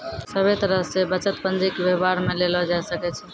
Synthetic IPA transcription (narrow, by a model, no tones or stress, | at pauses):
səbet̪əɾəɦsebət͡ʃət̪pənd͡ʒikebebaɾmelelɔd͡ʒaɛsəkɛt͡ʃʰɛ